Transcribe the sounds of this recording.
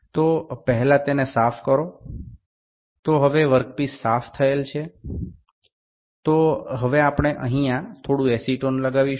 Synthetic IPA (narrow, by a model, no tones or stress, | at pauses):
t̪opəɦɛlãt̪enesafkəɾo | t̪oɦəʋeʋəɾk̚pisːaft̪ʰəelt͡ʃʰe | t̪oɦəʋeapɳ̃eʔə̰̃ɦĩãt̪ʰoɽũesiʈonləɡaʋiʃ